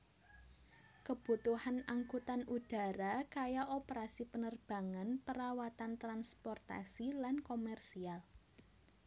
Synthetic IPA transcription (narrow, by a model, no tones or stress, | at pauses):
kəb̥ṳt̪uhanaŋkut̪anud̥a̤ɾakajaʔopəɾasipənərb̥a̤ŋanpəɾawat̪ant̪ɾanspɔrt̪a̰silankomɛrsial